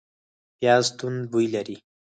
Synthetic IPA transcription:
jazt̪und̪̚bujlaɾi

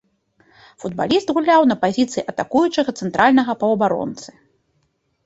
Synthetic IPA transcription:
fud̪ba̰lʲist̪ɣulʲawnɐpazʲit̪sɨjiʔɐt̪akujut͡ʂɐɣɐt̪sɛnt̪ɾʔalʲnɐɣɐpɐwɐbaɾɔ̰nt̪sɨ̥

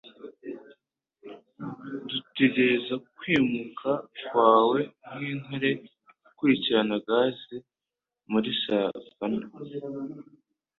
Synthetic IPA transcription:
dute̞ɟe̞ɾe̞zakwiːmukʰakwaːwe̞niːnaɾe̞ | kwuiciɾanaɡaːze | muɾiʃavana

